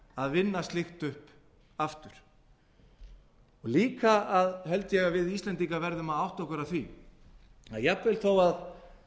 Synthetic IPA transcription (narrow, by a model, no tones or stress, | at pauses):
aðvɪnːast̪lɪxt̪ʏhp | aft̪ʏɾ̥ | ɔɣliːkaaðɦɛlt̪jɛɣavɪðist̪lɛnt̪ikavɛɾðʏmaðawht̪ɔhkʏɾaθvi | aðjɛpvɪlθowað